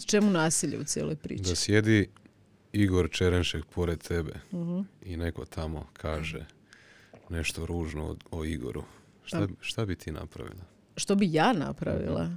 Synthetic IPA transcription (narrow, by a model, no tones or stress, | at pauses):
t͡ʃe̞munaːsiʎeut̪sʲjeːlojpɾḭːd̪asje̞d̪i | iɡo̞ɾt͡ʃeɾenʃekpʰo̞ɾed̪̚t̪e̞beɦ̩ineko̞t̪ʰamo̞̰kʰaːʒḛ | ne̞ʃt̪oɾuːʒno̰oiɡo̞̰ɾu | ʃt̪aʃt̪abit̪ʰiːna̰pɾa̰ʋḭlˠa | ʃt̪obijaːna̰pɾa̰ʋḭlˠa̰